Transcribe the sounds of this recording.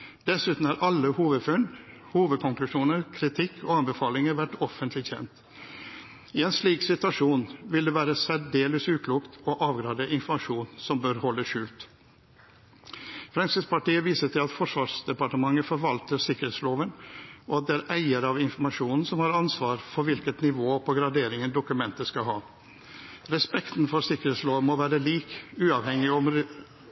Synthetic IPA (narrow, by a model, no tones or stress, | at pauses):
d̪̥ɛsʉːt̪n̩hæɾʔɑlːəhuːʋəd̪fʉn | huːʋəd̪̚kʰɔŋklʉʂuːnəɾkʰɾɪt̪ʰɪkʰːoːɑnbəfɑːlɪŋəɾʋæʈːɔfənt̪ʰlɪçɛ̰nt̪ | ɪɛnsliːksɪt̪ʉʋɑʂuːnʋɪld̪ɛːʋæːɾəsæɖeːləsʉːkʰluːkt̪oʔɑːʋɡɾɑːd̪əʔɪnfɔmɑʂuːnsɔmbøːɾhɔlːəʂʉːlt̪ | fɾɑŋsɪspʰɑʈiːəʋiːsəʈʰɪlɑt̪fɔʂʋɑːʂd̪ɛpɑʈəmɑŋːəfɔɾʋɑlt̪əɾsɪkːəɾeːt̪sloːʋənʔɔɑt̪̚d̪ɛæːɾʔæɪəɾɑʋɪnfɔɾmɑʂuːnn̩sɔmhɑːɾɑnsʋɑːɾfɔɾʋɪlkət̪nɪʋoːpʰɔɡɾɑd̪eːɾɪŋənd̪ʊkʉmɛnt̪əskɑɦɑː | ɾɛspɛkt̪n̩fɔɾsɪkəɾeːt̪sloːʋmɔʋæːɾəliːkʉːɑʋhɛŋɪɔm